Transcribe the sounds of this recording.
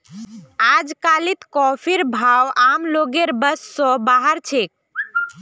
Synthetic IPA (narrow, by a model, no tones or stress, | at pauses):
ad͡ʒkalit̪kɔpʰiɾbʱawʔamloɡeɾbəsːɔ̃baɦəɾt͡ʃʰek̚